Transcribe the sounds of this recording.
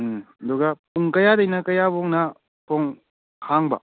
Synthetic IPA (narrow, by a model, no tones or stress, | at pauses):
ɐduɡapuŋkɐjadɐjnɐkɐjaboŋnɐ | pʰoŋ | kʰaŋbɐ̰